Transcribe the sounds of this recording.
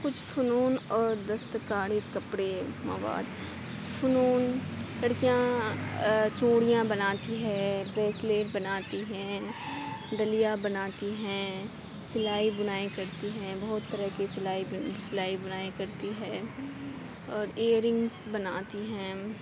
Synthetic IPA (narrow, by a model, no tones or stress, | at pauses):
kʊt͡ʃʰfʊnuːnɔːɾd̪əst̪kaːɽikɐpɽemɐ̰ʋa̰ːd̪ | fʰʊnuːnlɐɽkijã | t͡ʃoːɽijãbɐnaːt̪iɦɛ̃ːbɾeːsleːʈbɐnaːt̪iɦɛ̃ː | ɖɐlijabɐnaːt̪iɦɛ̃ː | sɪlaːibʊnaːekɐɾt̪iɦɛ̃ːbɐɦʊt̪ːəɾəɦkisɪlaːisɪlaːibʊnaːekɐɾt̪iɦɛ̃ː | ɔːɾeːɾɪ̃ŋɡzbɐnaːt̪iɦɛ̃ː